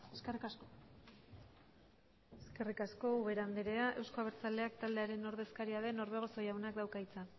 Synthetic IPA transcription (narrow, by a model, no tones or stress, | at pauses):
eskerikasko | eske̞rikasko̞uβe̞ɾand̪iɾe̞aʔe̞wsko̞aβeɾt͡sald̪e̞akt̪ald̪eaɾe̞no̞ɾðe̞skaɾiað̞e̞no̞ɾβe̞ɣ̞o̞so̞jawnakd̪awkait͡sa